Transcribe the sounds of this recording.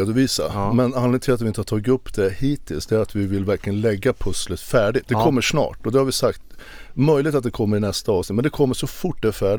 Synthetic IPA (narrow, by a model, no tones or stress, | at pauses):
d̪ʊviːsa̰mɛnanɪɡənt̪ʰɪlat̪vɪɪnt̪əhɑt̪ʰɑːɡɪɵpːd̪ɛhiːt̪ʰːɪlsd̪ɛæɾat̪vɪvɪlvæɾklɪɡənlɛɡːapʰɵslət̪fæːɖɪt̪̚d̪ɛkɔmːəʂnɑ̰ːʈɔd̪ɛhaɾvɪsakt̪mœjlɪɡt̪at̪̚d̪ɛkʰɔmːəɾɪnɛst̪aɑːvsnɪt̪mɛnd̪ɛkʰɔmːəʂɔfʊʈːd̪ɛæfæːɖ